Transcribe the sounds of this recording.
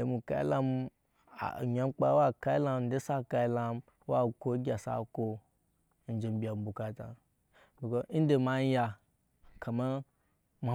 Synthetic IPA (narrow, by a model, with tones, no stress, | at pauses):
e˨˦mu˨ka̰˦ḭ˦la˦m̰˨ | ɲa˦m˦k͡pa˦wa˦ka˦ji˦la˦m̩˨˦de˦sa˦ka˧i˦la˦m | wa˦ko˦ɡʲa˨sa̰˦ko˦ | n̩˨d͡ʒe˨m˦bi˨a˨m˦bu˨ka˦ta̰˨ | bi˨ko˦n̩˦de˨ma˦ja˧ | ka˨ma˦ | m˨˦